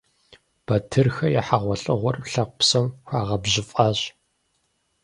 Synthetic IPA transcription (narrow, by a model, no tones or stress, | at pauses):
b̥ɐtʰɨrxɐjaħaʁʷɔɬʼɨʁʷɔrpɬɐq̚ʷpsɐmxʷaːʁɐbʑɪfʼaːɕ